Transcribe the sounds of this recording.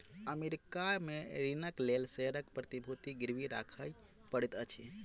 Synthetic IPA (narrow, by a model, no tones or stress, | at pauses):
əmeɾikameɾinəklelseɾəkpɾət̪ibʱut̪iɡiɾʋiɾa̰kʰəj | pəɽet̪ət͡ʃʰḭ